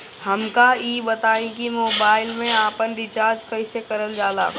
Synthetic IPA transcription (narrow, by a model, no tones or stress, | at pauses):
hɐmkaiːbɐt̪aːẽkimoːbaːɪlmẽaːpənɖɪt͡ʃaːɾd͡ʒkɐisekɐɾəld͡ʒaːla̰ː